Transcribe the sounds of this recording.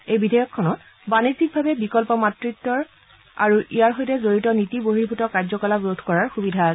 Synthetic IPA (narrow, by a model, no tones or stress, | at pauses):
ejbidʱɔjɔkʰːɔnɔt̚ | banizik̚bʱabɛbikɔlpɔmatɹitːɔɹ | a̰ɹuʔijaɹɦojtɛzoɹitɔnitiboɦiɹbʱutɔkaɹzɔkɔlabɹodʱʰkɔɹaɹxubidʱasɛ